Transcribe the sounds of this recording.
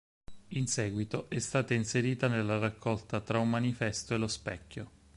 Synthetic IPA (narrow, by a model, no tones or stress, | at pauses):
insɛːɡwit̪oʔɛst̪aːt̪ainseɾiːt̪anelːarakːɔlt̪at̪ɾaumːanifɛst̪oelospɛkʲːo